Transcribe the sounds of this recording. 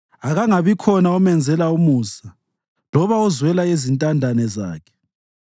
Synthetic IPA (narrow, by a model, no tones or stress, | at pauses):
aɣaŋaβikʰɔnaɔmɛnd͡zʱɛlaumuːsa | lɔβaɔzwɛlaezintʼandʱanɛza̰ːkʰɛ̥